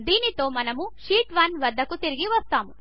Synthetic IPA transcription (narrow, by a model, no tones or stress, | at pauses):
d̪iːnit̪oːmɐnɐmuʃiːʈʋɐnʋɐd̪ʱːɐkut̪iɾɡiʋɐst̪aːmu